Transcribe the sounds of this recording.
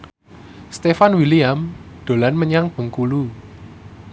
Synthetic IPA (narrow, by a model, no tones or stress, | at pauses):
st̪efanwiliamd̪̥o̤lanməɲaŋb̥ə̤ŋkulu